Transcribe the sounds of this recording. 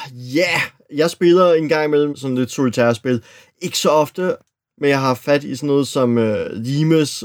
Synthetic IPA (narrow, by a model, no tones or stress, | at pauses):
jæ | jɑ̈ɪsb̥e̝lɐe̝nɡ̥ɑ̈ŋ̰imel̰m̩sɒ̽nle̝d̥solt͡sʰæɐsb̥e̝lˠ | e̝ɡ̥ə̥sɒ̽ɒ̽fd̥ə | menjɑ̈ɪɦɑ̈fæd̥isɒnːɔːð̩ˠsɒ̽møliːməs